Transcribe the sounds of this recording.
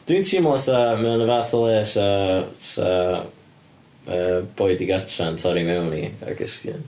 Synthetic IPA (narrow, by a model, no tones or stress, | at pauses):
d̥wintʰimlˠaθamɛnəvaːθəlˠeːsasa | əːb̥oːɨdiɡartʰantʰɔɾimɛwnia̰ɡə̰skjɨ̰n